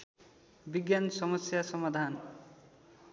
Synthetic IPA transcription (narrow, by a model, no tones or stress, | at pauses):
biɡjansʌmʌsjasʌmad̪ʱan